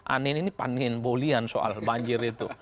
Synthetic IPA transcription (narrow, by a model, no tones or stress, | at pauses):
ʔa̰nininipa̰ninbolianso̰a̰lbaɲd͡ʒɪrit̪u